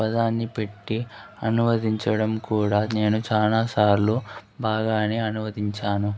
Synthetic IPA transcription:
pɐd̪aːnːipe̞ʈːi | ɐnuʋɐd̪iɲt͡ʃɐɽɐmkuːɽaːne̞ːnut͡ʃaːlaːsaːɾlubaːɡaːneːɐnuʋɐd̪iɲt͡ʃaːnu

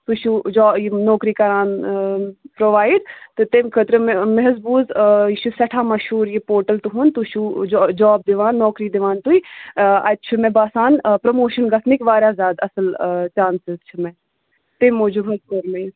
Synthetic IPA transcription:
t̪uʃud͡ʒɔːjinɔːkɾiːkɐɾaːn | pɾoʋaːɪɖt̪ɨt̪emkʰət̪ɾɨmeɦɐzbuːziʃʰusɐʈʰaːmɐʃɦuːɾjipoːɾʈəlt̪uɦuːnt̪uʃud͡ʒd͡ʒɔːb̚d̪ɪʋaːnːɔːkɾid̪ɪʋaːnt̪uiɐ̰t̪t͡ʃʰumẽbaːsaːnpɾɐmoːʃənɡɐt̪ʰnikʋaːɾjaːzaːd̪ɐsəlt͡ʃaːnsɪzt͡ʃʰumɛ̃ | t̪emoːd͡ʒuɡʱɐzkoːɾme

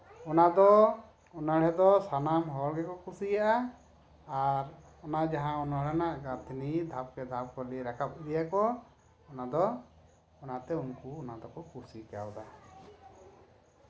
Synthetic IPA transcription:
ɔnad̪ɔ | ɔnəɽ̤ɛd̪ɔsanamɦɔlɡɛkɔkusijaʔaː | ɾ | ɔnad͡ʒaɦãunəɽɛnaʔɡat̪inid̪ʱap̚kɛd̪ʱap̚kɔliɾakʰap̚iɾijakɔ | ɔnad̪ɔ | ɔnat̪ɛunhuɔnad̪ɔkɔkusikja̰wd̪a

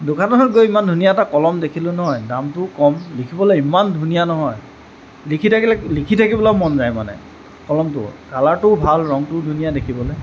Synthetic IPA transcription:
dʊkʰantɔɦɔtɡojimandʱunijaɛtakɔlɔmdekʰilʊnɔɦɔjdamtʊkɔmlikʰibɔlɔjimandʱunijanɔɦɔj | likʰitʰakillikʰitʰakibɔlamɔnzajmanɛ̰ | kɔlɔmtʊ̰kalaɹtʊbʱalɹɔŋtʊdʱunijadekʰibɔlɛj

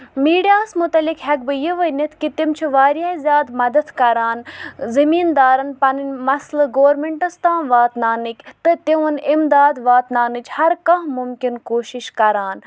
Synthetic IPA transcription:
miːɖijaːsmut̪ɐlikɦɛkbɨjiʋənit̪ʰkit̪imt͡ʃʰiʋaːɾjaːzʲjaːd̪mɐd̪ɐt̪kɐɾaːnzɐmiːnd̪aːɾɐnpɐnɨnʲmɐslɨɡoːɾmeɳʈɐst̪ãːnʋaːt̪naːnɨkʲt̪ɨt̪iʋɐnimd̪aːd̪ʋaːt̪naːnɨt͡ʃʰhɐɾkɐ̃ɦmumkʲinkoːʃiʃkɐɾaːn

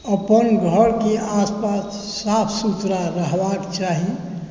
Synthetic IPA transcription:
əpənɡʱəɾkeaspasː | apʰsut̪ɾaɾəɦbakt͡ʃaɦi

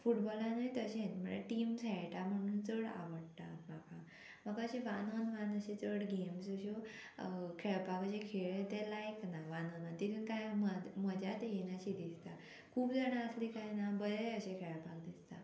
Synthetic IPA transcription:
fuʈbɔlãnajt̪əɕẽnm̤əa̰ʈiːmsɛɭʈam̤əɽ̃uːnt͡səɽa̰ʋəɽt̪abakʰa | məɡəɕẽʋananʋanəɕẽt͡səɽɡemsuɕo | kʰɛɭpakəɕẽkʰeɭet̪ɛlajknaʋananant̪it̪ʰuːnkajməməd͡ʑat̪jenaɕid̪ist̪a | kʰuːbd͡zaɽ̃aəslikajnabəɾeəɕekʰɛɭpakd̪ist̪a

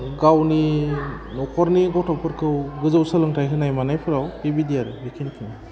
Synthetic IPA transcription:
ɡawni | nɔkʰɔɾniɡɔwtɔpʰɯɾkʰɯwɡɯzɯwsalɯŋtʰajɦʰɯnajmanajpʰɯɾawtibidiaɾɯbikʰinkʰin

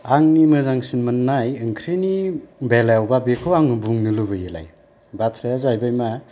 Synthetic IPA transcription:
aŋnimɯzaŋsinmɯnːajɯŋkʰɾinibeljawbabekʰɯwaŋɯbuŋnɯlubɯjɯla̰j | batʰɾajazajbajma

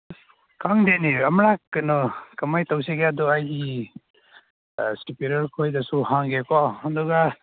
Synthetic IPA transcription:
kʰaŋdeneamɾakɯnɔkamajtaws̬eɡeadɔajɡi | stipeɾɔɾkʰojdasuhaŋɡekɔɔndɔɡa

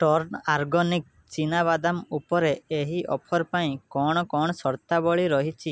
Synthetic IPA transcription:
ʈɔɾnaɾɡɔnik̚ | t͡ʃinaβad̪amupɔɾeeɦiʔɔpʰɔɾpaĩkɔɽ̃ɔkɔɽ̃ɔsɔɾt̪abɔɭiɾɔɦit͡ʃʰi

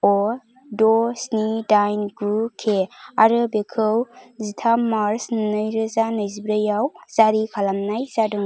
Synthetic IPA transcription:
ɔ | dɔsnidajnɡɾukʰeaɾɯbekʰɯwzitʰamaɾsnnɯjɾɯzanɯjzibɾajawzaɾikʰalamnajzadɯŋ

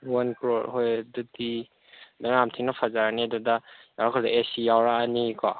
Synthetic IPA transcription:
wankɾoɾhojdudi | dɔɾamtʰiŋnɐpʰazaɾanedudajawɾakʰɔdaesijawɾaːnikʰɔ

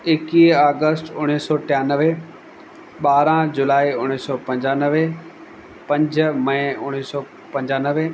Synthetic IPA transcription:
ɪkiːaːɡəsʈʊɽ̃iːsɔːʈɪjaːnəʋe | ɓaːɾãd͡ʑʊlaːiʊñiːsɔːpɐ̃ɲd͡ʑaːnəʋe | pɐ̃ɲd͡ʑʱmɐ̃ɪ̃ʊɽ̃iːsɔː | pɐ̃ɲd͡ʑaːnəʋe

